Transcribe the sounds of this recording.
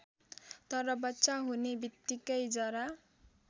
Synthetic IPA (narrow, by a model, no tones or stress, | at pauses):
t̪ʌɾʌbʌtːsaɦunebit̪ːikʌjd͡zʌɾa